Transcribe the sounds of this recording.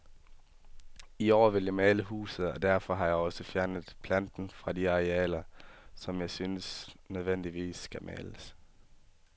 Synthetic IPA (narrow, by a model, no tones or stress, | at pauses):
iɒːʋe̝ljäɪmɛːləhṵːsð̩ˠɒd̥æɐfɒ̽ɦɑ̈jɑ̈ɪɒ̽səfjæɐnəð̩ˠpʰlænd̥n̩fʁɑ̈diɑ̈ʁeɛ̰ːlɐsɒ̽mjɑ̈ɪsynəsnøð̞ˠʋen̰d̥iʋḭːsːɡ̥æmʔɛ̰ːləs